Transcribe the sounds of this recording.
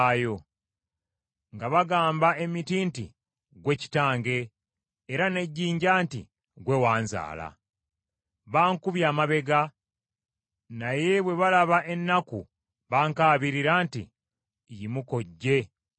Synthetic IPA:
jo̞ | ŋɡaβaɡaːmbae̞mitiːntḭ | ɡwe̞ci̥taːŋɡe̞ː | ɾane̞ɟːiːɲɟaːntḭ | ɡwe̞waːnza̰ːla̰ | βaːŋkuβjaːmaβe̞ɡa | naje̞βwe̞βalaβaʔe̞nːaku | βaːŋkaːβiɾiɾaːntḭ | jimuko̞ɟːe̞

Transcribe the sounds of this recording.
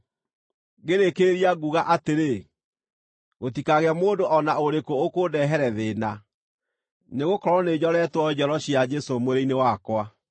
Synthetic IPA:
ɣeɾekeɾiaɣuɣaʔateɾe | ɣot̬ikaɣeamoːndoʔɔnaoɾekookoːdɛɦɛɾɛðeːna | neɣokɔɾɔned͡ʑɔɾɛtwɔd͡ʑɔɾɔɕjad͡ʒɛsomoɾeinewakwa

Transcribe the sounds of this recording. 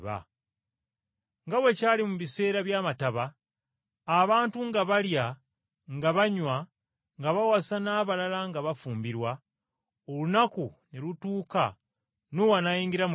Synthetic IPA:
βa̰ | ŋɡawe̞caːlimuβise̞ːɾaβjaːmataβaː | βaːntuŋɡaβalja | ŋɡaβaɲwa | ŋɡaβawasanaːβalalaŋɡaβafuːmbiɾwa | olunakunelutuːka̰ | nowanajiːŋɡiɾam

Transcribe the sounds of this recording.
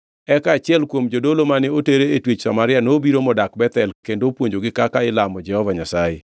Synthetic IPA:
ɛkaːt͡ʃɪɛlkwomd͡ʒodolomanɪoteɾeːtwet͡ʃsamaɾɪanobiɾomɔdakbɛt̪ɛlkendopwoɲd͡ʒoɡɪkakaɪlamɔd͡ʒɛhɔvaɲasajḛ

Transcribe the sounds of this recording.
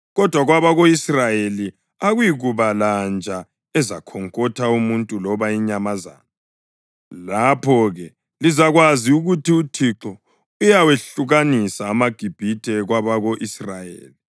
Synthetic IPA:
ɣɔd̥ʱwaɣwaβaɣoisrajeli | aɣujiɣuβaland͡ʒʱa | ɛzakʰɔŋkʼɔtʰaumuntʼulɔβaiɲamaza̰ːna | lapʰɔɣɛ | lizaɣwaziuɣutiutʰiǁɔ | ujaweɬuɣanisaːmaɡ̥ʱib̥ʱitʰʼɛɣwaβaɣoʔisrajḛːli

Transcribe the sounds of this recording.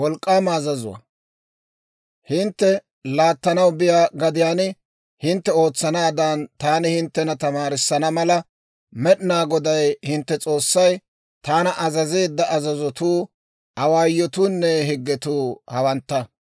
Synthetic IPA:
wɔlkʼːaːmɐːzɐzʊwɐ̰ | hɪnt̪ːɛ | laːt̪ːɐnɐwbɪjaːɡɐd̪ɪjaːnɪ | hɪnt̪ːɛo̞ːt͡sːɐnaːd̪ɐnt̪aːnɪhɪnt̪ːɛnɐt̪ɐmaːɾɪsːɐnɐmɐlɐ | mɛɗɪnaːɡɔd̪ɐjhɪnt̪ːɛt͡sʼo̞ːsːɐj | t̪aːnɐʔɐzɐze̞ːd̪ːɐʔɐzɐzɔt̪uː | ʔɐwaːjːɔt̪uːnːɛɦɪɡːɛt̪uːhɐwɐnt̪ːɐ

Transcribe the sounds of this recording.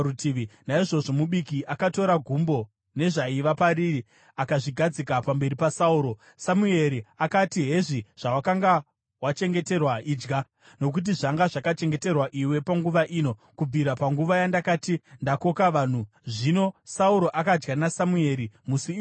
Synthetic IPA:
utiʋinaiʐo̞ʐo̞muɓikiʔakato̞ɾaɡʱumbo̞ | ne̞ʐaiʋapaɾiri | akaʐiɡʱad͡zikapambe̞ɾipasauːɾo̞ | samue̞ɾiakatiɦe̞ʐiʐ̥awakaŋɡa | wat͡ʃe̞ŋɡe̞te̞rwaʔiːd͡ʒɡa | no̞k̬ut̬iʐaŋɡaʐakat͡ʃe̞ŋɡe̞te̞rwaʔiwe̞paŋɡuʋaʔiːno̞kub͡vʱiɾapaŋɡuʋajandakaːtindako̞kaʋaːn̤u | ʐino̞sauɾo̞ʔakad͡ʒɡanasamue̞ɾimusi

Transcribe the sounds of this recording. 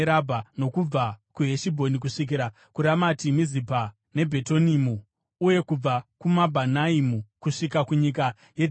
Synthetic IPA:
ɾabʱano̞kub͡vakuɦe̞ʃibʱo̞nik̬uʂik̬iɾa | kuɾamatimizipa | ne̞bʱe̞tonimuː | je̞kub͡vakumabʱanaimukuʂikakuɲika | je

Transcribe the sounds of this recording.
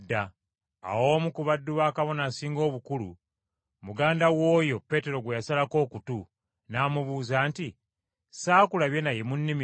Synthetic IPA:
dːa | a̰wo̞ːmukuβadːuβaːkaβo̞naːsiːŋɡo̞ːβukulṵ | muɡaːndawo̞ːjo̞pe̞ːte̞ɾo̞ɡwejasalako̞ːkutu | naːmuβuːzaːnti | saːkulaβje̞najemunːimi

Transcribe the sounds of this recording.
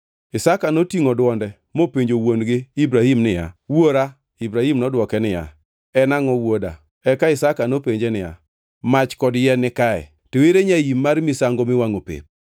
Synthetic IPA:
ɪsakanotiŋodwɔndɛ | mopeɲd͡ʒowonɡɪibɾahimnɪja̰woɾa | ibɾahimnɔdwɔkɛnɪja̰ | ɛnaŋɔwoda̰ | ɛkaɪsakanopeɲd͡ʒenɪja̰ | mat͡ʃkɔdjɛnɪkaɛ̰ | teweɾeɲajimːaɾmɪsaŋɡomɪwaŋopḛp̚

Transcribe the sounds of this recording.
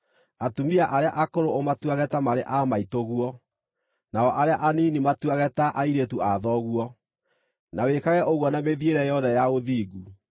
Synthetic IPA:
atumiaʔaɾeaʔakoɾoomatwaɣɛtamaɾeʔamaitoɣwɔ | naɔʔaɾeaʔaninimatwaɣɛtaʔaiɾetuʔaðɔɣwɔ | nawekaɣɛʔoɣwɔnameðieɾɛjɔðɛjaoðiːɡu

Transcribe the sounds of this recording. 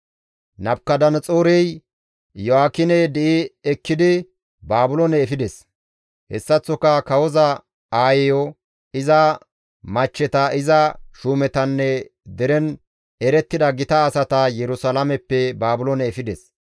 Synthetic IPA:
nɐbkːɐd̪ɐnt͡sʼoːɾɛj | jɔaːkːɪnɛd̪ɛɪɛkːɪd̪ɪ | baːbʊlonɛːfɪd̪ɛs | hɛ̰sːɐt͡sːɔkːɐkɐwɔzɐ | aːjɛjɔ | ɪzɐ | mɐt͡ʃːɛt̪ɐɪzɐʃuːmɛt̪ɐnːɛd̪ɛɾɛn | ɛɾɛt̪ːɪd̪ɐɡɪt̪ɐːsɐt̪ɐjɛɾʊsɐlamɛpːɛbaːbʊlonɛːfɪd̪ɛs

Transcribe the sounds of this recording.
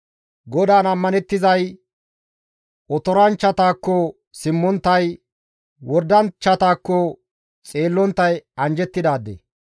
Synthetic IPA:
ɡɔd̪aːnɐmːɐnɛt̪ːɪzɐj | ɔt̪ɔɾɐnt͡ʃːɐt̪aːkːɔ | sɪmːɔnt̪ːɐj | wɔɾd̪ːɐnt͡ʃːɐt̪aːkːɔ | t͡sʼe̞ːlːɔnt̪ːɐjɐnd͡ʒɛt̪ːɪd̪aːd̪ːḛ

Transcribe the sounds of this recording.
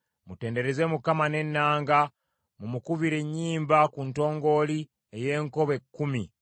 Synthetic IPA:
mute̞ːnde̞ɾe̞zemukamane̞nːaːŋɡa | mumukuβiɾe̞ɲːiːmbakunto̞ːŋɡo̞ːli | eje̞ːŋko̞βe̞kːumi

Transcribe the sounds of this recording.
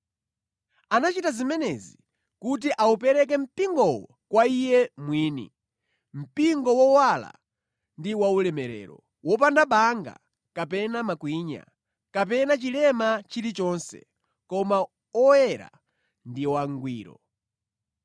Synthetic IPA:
anat͡ʃitazimɛnɛzi | kut̬iʔaupɛɾɛk̬ɛm̩piŋɡɔwɔ | kwaijɛmwiːnḭ | m̩piŋɡɔwɔwala̰ | ndiwaulɛmɛɾɛ̰ːɾɔ | wɔp̬andaɓaŋɡa̰ | kapɛnamakwiːɲa̰ | kap̬ɛnat͡ʃilɛmat͡ʃiɾit͡ʃɔnsɛ̰ | kɔma | ɔɛɾa̰ | ndiwaŋɡwiːɾɔ̰

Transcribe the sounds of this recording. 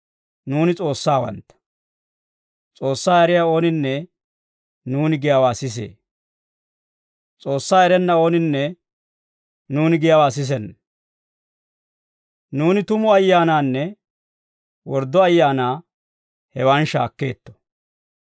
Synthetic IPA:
nuːnɪt͡sʼo̞ːsːaːwɐ̰nt̪ːɐ̥ | t͡sʼo̞ːsːaːɛɾɪjao̞ːnɪnːɛ | nuːnɪɡɪjawaːsɪs̬ḛː | t͡sʼo̞ːsːaːɛɾɛnːɐo̞ːnɪnːɛ | nuːnɪɡɪjawaːs̬ɪs̬ɛnːɐ | nuːnɪt̪ʊmʊɐjːaːnaːnːɛ | wɔɾd̪ːɔɐjːaːnaː | hɛwanʃa̰ːkːe̞̰ːt̪ːɔ̥

